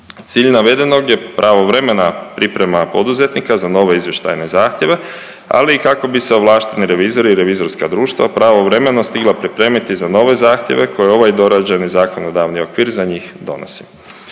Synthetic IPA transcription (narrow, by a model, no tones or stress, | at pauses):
t̪siːʎnaʋe̞d̪e̞no̞ɡje̞pɾʔaʋoʋɾe̞me̞napɾipɾe̞mapo̞d̪uze̞t̪nikazano̞ʋe̞izje̞ʃt̪a̰jne̞zaːxt̪jeʋe̞ | a̰liːkako̞biseoʋlˠaːʃt̪eniɾe̞ʋiːzo̞ɾiːɾe̞ʋizo̞ɾskad̪ɾuːʃt̪vʋa̰pɾaʋo̞ʋɾe̞me̞no̞st̪iɡlˠapɾipɾe̞ːmit̪izano̞ʋe̞zaːxt̪ʲje̞ʋe̞kʰo̞jeo̞ʋajd̪o̞ɾad͡ʑanizaːko̞nod̪aʋnio̞kʋiːɾzaɲiːxd̪o̞̰no̰si̥